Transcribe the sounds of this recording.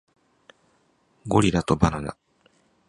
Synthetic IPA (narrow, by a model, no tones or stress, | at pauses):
ɡoɾʲid̪at̪obanad̪a̰